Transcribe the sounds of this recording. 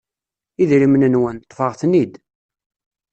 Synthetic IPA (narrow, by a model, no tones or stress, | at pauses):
iðɾimnənwənt̪ˤːfəʁθnid̪